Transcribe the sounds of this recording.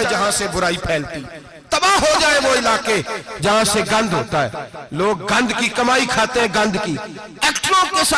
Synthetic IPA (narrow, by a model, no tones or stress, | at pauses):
ɛd͡ʒɐɦãsebʊɾaːipʰɛːlt̪i | t̪ɐbaːɦod͡ʒaːeʋoɪlaːked͡ʒɐɦãseɡɐ̃nd̪ʱɦoːt̪aɦɛ̰ːloːɡɡɐ̃nd̪kikɐmaːikʰaːt̪eɦɛ̃ɡɐ̃nd̪kiː | ɛːkʈɾõkes